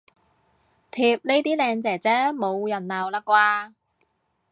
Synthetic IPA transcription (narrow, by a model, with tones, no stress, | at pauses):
t̪ʰiː˧˩p̚le˥jt̪iː˥lɛː˧ŋt͡sɛː˨˩t͡sɛː˥mo˨˧wjɐ˨˩nlaː˨˩wlaː˧kwaː˧